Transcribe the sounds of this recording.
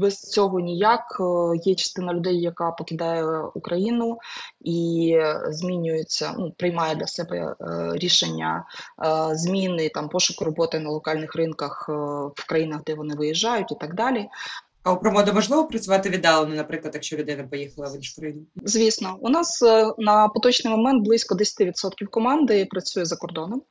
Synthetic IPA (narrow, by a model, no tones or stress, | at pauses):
bɛst͡sʲɔɦɔnʲijakjɛt͡ʃɐ̥st̪ɪnɐlʲʊd̪ɛjːɐkɑpɔkʲɪd̪ɑjɛukɾɐjinʊi | zʲmʲinʲʊjʊt͡sʲːɐ̰nupɾɪjmɑjɛd̪lʲɐsɛbɛ̰ɾʲiʃenʲːɐ̰ | zʲmʲinɪt̪ɑmpɔʃʊkʊɾɔbɔt̪ɪnɐlˠɔkɑlʲnɪxrɪnkɐxwkɾɐjinɐɣd̪ɛʋɔnɪʋɪjiʒːɑjʊtʲit̪ɑɡd̪ɑlʲi | ɐpɾɔmɔd̪ɐmɐʒlˠɪʋɔpɾɐt͡sʲʊʋɑt̪ɪʋʲid̪ɑlˠɐnɪnɐpɾɪklˠɐt̪jɐkʃt͡ʃɔlʲʊd̪ɪnɐpɔjixɐlˠɐʋɪnʃt̪ɾɪnʲzʲʋʲisnɔʊnɑsnɐpɔt̪ɔt͡ʃnɪjmɔmɛnt̪̚blˠɪsʲkɔd̪ɛsʲɐ̥t̪ɪʋʲid̪sɔt̪kʲiwkɔmɑnd̪ɪpɾɐt͡sʲujɛzɐkɔrd̪ɔnɔm